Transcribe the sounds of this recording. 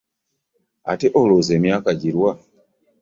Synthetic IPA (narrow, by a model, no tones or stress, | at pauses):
a̰teʔolozemjakaɟiɾwa